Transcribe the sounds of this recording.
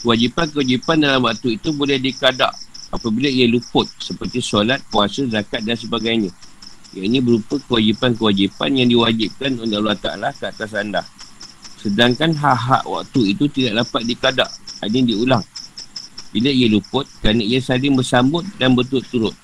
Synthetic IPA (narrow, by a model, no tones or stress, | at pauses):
kəwad͡ʒipankəwad͡ʒipandalamwak̚t̪uit̪ubolɛhdikada̰ʔapabiləiəlupʊt̪̚səpərt̪isolat̪̚kuasəzakat̪̚dansəbaɡajɲa | ja̰ʔinĩbəɾupəkəwad͡ʒipankəwad͡ʒipa̰njaŋdiwad͡ʒip̚kanundaʔluat̪a̰ʔnlahkəat̪as̬anda̰hsədaŋkanɦaʔɦa̰ʔwʔa̰k̚t̪uit̪ut̪idaʔlapat̪̚dikada̰ʔa̰nidiulaŋ | biləijəlupʊt̪̚kəɾanaijasalɪŋbərsambʊt̪̚danbət̪̬ʊt̪ːuɾʊt̪̚